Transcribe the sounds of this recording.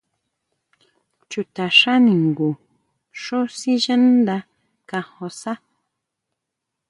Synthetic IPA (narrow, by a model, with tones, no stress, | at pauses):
t͡ʃu˨t̪a˨ʂa˦ni˨ŋɡu˨ | ʂo˦si˦ʒə˦nd̪a˦ | ka˨ho˨sa˦